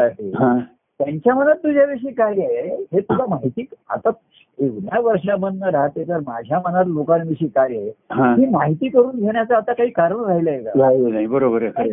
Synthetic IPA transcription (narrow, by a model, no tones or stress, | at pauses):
aɦeɦã | t̪jaɲt͡ɕjam̤ənat̪ːud͡ʑʱaʋiʂ̬iːkaɦiaɦeeɦet̪ulamaɦit̪iːa̰t̪a | eknjaʋəɾʂabənːəɾaɦt̪et̪əɾmad͡ʑʱjamənat̪lokanʋiʂiːkaɾjaɦeɦãɦiːmaɦit̪iːkəɾuːnɡʱeɳjat͡saːt̪akaɦiːkaɾəɳɾaɦiləjekaɾaienaɦibəɾobəɾekə